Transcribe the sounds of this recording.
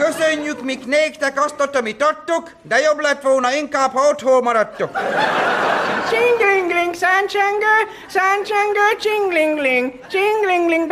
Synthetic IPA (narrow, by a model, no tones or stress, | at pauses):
køsøɲːykmikneːkt̪ɛkɒst̪ot̪ɒmit̪ɒrt̪ːuk | d̪ɛjoblɛt̪ʋolnɒiŋkaːbhɒot̪hoːmɒɾɒt̪ːuk | t͡ʃiŋɡliŋɡliŋɡsant͡ʃɛŋɡə | sant͡ʃɛŋɡət͡ʃiŋɡliŋɡliŋɡ | t͡ʃiŋɡliŋɡliŋɡd̪